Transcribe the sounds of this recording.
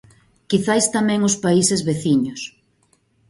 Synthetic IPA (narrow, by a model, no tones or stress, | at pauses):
kiθajst̪amɛ̃ŋʊspaisɪzβeθiɲʊs